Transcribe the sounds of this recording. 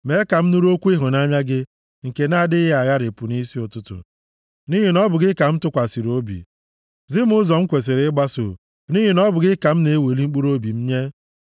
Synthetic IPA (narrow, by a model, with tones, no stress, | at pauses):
me˨˦ka˨m̩˦nu˦ɾo˦kʷu˦i˦ɦʊ˨na˦ɲa˦ɡɪ˦ | ŋ̩˨ke˨na˦˨dɪ˦ɦɪ˦a˨ɣa˦ɾɪ˨pʊ˨ni˦si˦ʊ˨tʊ˦tʊ̰˨ | ni˦ɦi˨nɔ˦bʊ˨ɡɪ˦ka˨m̩˦tʊ˦kʷa˨si˨ɾo˦bḭ˨ | zɪ˦m̩˦ʊ˦zɔ˨m̩˦kʷe˨s̬e˨ɾe˨˦ɪ˦ɡ͡ba˦so̰˨ | ni˦ɦi˨nɔ˦bʊ˨ɡɪ˦ka˨m̩˦ne˨˦e˦we˨li˦ŋ͡m̩˦k͡pu˦ɾo˦bi˨m̩˦ɲe˦